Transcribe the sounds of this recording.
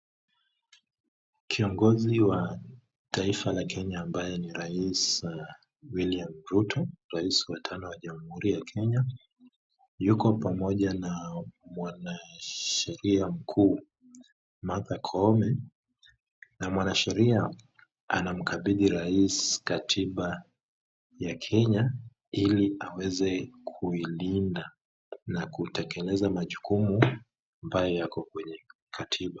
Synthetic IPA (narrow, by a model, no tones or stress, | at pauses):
kʰiɔŋɡɔziwa | tʰaifalakʰɛɲaːmbajɔniɾais | wiliamɾutɔɾaiswatʰanɔwaʄamuhuɾijakʰɛɲa | jukɔpamɔʄanamwanaʃɛɾiam̩kʰuː | maθakʰɔmɛ | namwanaʃɛɾia | anam̩kaɓiɗiɾaiskatʰiɓa | jakʰɛɲa | iliawɛzɛkʰuilinda | nakutɛkɛlɛzamaʄukumu | ambajɔjakɔkwɛɲɛ | kʰatʰiɓa